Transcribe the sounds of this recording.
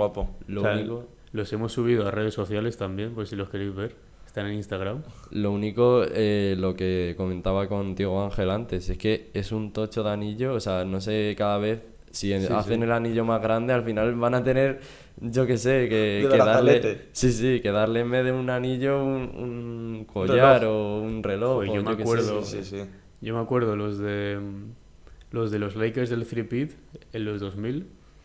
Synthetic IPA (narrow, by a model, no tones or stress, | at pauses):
wapolouniko | lo̞se̞mo̞sːuβ̞iðoare̞ðe̞sːo̞θjale̞st̪ambje̞mposilo̞ske̞ɾejzβe̞ɾ | est̪aneninst̪aɣ̞ɾamlo̞uniko̞elo̞keko̞mẽnt̪aβako̞nt̪je̞ɣ̞oaŋxe̞lant̪e̞se̞ske̞e̞sunt̪o̞t͡ʃo̞ðaniʎo̞ːseano̞se̞kaðaβ̞e̞θ | sia̰θe̞ne̞laniʎo̞mazɣ̞ɾand̪e̞alfinalβanat̪e̞ne̞ɾ | ʝo̞ke̞se̞keeðalesisike̞ðaɾle̞me̞ðeunaniʎo̞unṵŋko̞ʝaɾo̞unre̞lo̞xʝomokeweeðoi | ɟ͡ʝomakwe̞ɾðolozðe | lo̞zðe̞lozlejkeɾzðelθɾipit̪ | ellozðo̞zmil